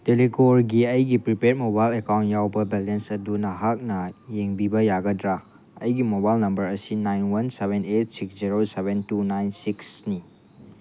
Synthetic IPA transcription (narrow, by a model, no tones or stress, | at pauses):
telikoɾɡiɐjɡipɾipet̚mobajlekawntjawbɐbelensɐdunɐɦak̚nɐjeŋbibɐjaɡɐdɾa | ɐ̰jɡimobajlnɐmbɐɾɐsinajnwɐnseβenet̚siksziɾoseβentunajnsiksni